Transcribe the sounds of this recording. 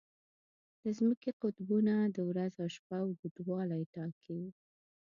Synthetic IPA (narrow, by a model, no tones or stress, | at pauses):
d̪̥əzməkeqʊt̪bunad̪əwɾazawʃpawbud̪wɑlajʈɑkʰewi